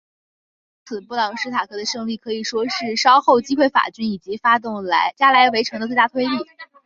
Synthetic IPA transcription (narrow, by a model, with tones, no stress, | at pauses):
t͡sʰɹ̩˨˩pu˥˩lɑ˧˥ŋʂɻ̩˥t̪ʰa˨˩kʰɤ˥d̪ə˧ʂɤ˥˧ŋli˥˩kʰɤ˧˥i˨˩ʂwɔ˥ʂɻ̩˥˩ʂɑ˥ʊxo˥˩ʊt͡ɕi˥kxwe˥˩ɪfa̰˨˩t͡ɕy˥ni˨˩t͡ɕi˧˥fa˥t̪̬ʊ˥˩ŋla˧˥ɪt͡ɕja˥la˧˥ɪwe˧˥ɪʈ͡ʂʰɤ˧˥ŋd̪ə˧t͡swe˥˧a˥˩t̪ʰwe˥ɪli˥˩